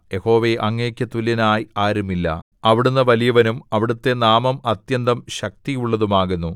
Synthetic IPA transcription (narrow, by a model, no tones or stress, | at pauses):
je̞ho̞ːʋeʔɐŋːeːkʲːɐt̪ulːinaːjaːɾumilːɐ̰ | ɐʋiɽunːɨʋɐlijɐʋɐnumɐʋiɽut̪ːe̞naːmɐmɐt̪jɐnd̪ɐmɕɐk̚t̪ijuɭːɐðumaːɣunːu